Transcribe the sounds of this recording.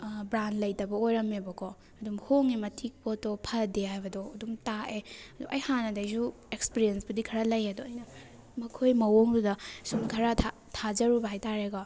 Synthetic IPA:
bɾanlɐjtɐbɐojɾɐmebɐkʰo | ɐdumhoŋimɐtʰik̚potopʰɐdeɦajbɐdɔːdumtaeɐduʔɐjhanɐdɐjzu | ekspiɾiensbudikʰɐɾalɐjedoɐjnɐ | mɐkʰojmɐwoŋdudɐsumkʰɐɾatʰa | tʰad͡ʒɐɾubɐɦajtaɾeɡa

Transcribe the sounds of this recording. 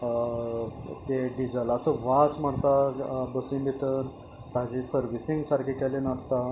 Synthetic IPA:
t̪eɖid͡ʑəlat͡səʋasmaɽt̪abəsinb̪it̪ən | p̪ad͡ʑisəɾʋisiŋɡsaɾkʰikɛlenəst̪a

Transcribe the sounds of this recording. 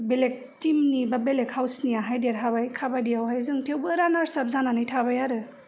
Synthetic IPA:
belek̚timnibabelekhawsnijaɦajdeɾɦʰabajkʰabajdijawɦajzɯŋtʰewbɯɾanaɾsap̚zananɯjtʰaβajaɾɯ

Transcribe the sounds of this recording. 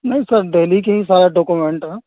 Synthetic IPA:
nɐɦĩsɐɾɖeːlik̬eɦĩsaːɾaɖoːkumẽɳʈɦɛː

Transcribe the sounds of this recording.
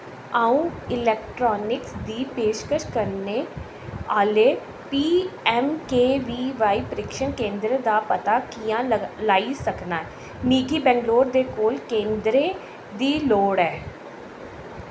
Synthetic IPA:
aːũːɪlɛːkʈɾɔːnɪksd̪iːpeːʃkəʃkəɾneː | aːleː | piːɛːmkeːʋiːʋaːiːpəɾɪkʃənkẽːnd̪ɾəd̪aːpət̪aːkijãːlaːiːsəknaːɛ | miːkiːbɛ̃ːŋɡloːɾd̪eːkoːlkẽːnd̪ɾẽː | d̪iːloːɽɛː

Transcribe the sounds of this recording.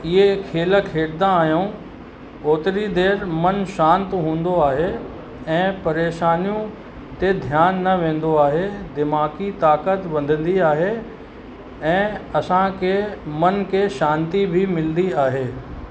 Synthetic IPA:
ɪɦekʰeːləkʰeːɽd̪ãaːɦijõ | oːt̪ɪɾid̪eːɾmɐnʃãːnt̪ɦũːn̆d̪oaːɦe | ɛ̃ːpɐɾeːʃaːnijũ | t̪ed̪ʱjaːnːɐʋẽːn̆d̪oaːɦed̪ɪmaːkit̪aːkət̪ʋɐ̃nd̪ʱə̃nd̪iaːɦe | ɛ̃ːɐsãkʰemɐnkʰeʃãːnt̪ibʱimɪld̪iaːɦeː

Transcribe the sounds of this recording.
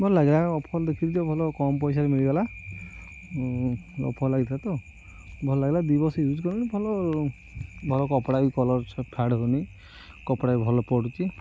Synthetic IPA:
bʱɔlɔlaɡilaɔpʰɔlɔd̪ekʰit̪id͡ʒɔbʱɔlɔkɔmp̬ɔjsaɾemiɭiɡala | ɔ̰pʰɔlɔlaɡit̪ʰat̪ɔ | bʱɔlɔlaɡilad̪ibɔsɔjud͡ʒkɔɾinibʱɔlɔ | bʱɔlɔkɔpɽaikɔlɔɾt͡ʃʰɔpʰaɽɦoni | kɔpɽaibʱɔlɔpɔɽut͡ʃi

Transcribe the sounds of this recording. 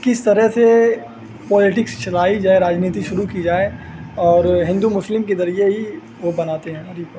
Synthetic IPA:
kɪst̪ɐɾəɦse | pɔːlɪʈɪkst͡ʃɐlaːid͡ʒaːeɾaːd͡ʒniːt̪̬iʃʊɾukid͡ʒaːeɔːɾɦɪ̃nd̪umʊslɪmkezɐɾieɦi | ʋobɐnaːt̪eɦɛ̃ɐɾip

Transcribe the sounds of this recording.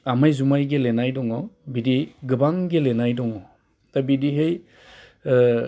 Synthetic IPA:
amajzumajɡelenajdɔŋɔbidiɡɯbaŋɡelenajdɔŋɔ | tabidiɦej

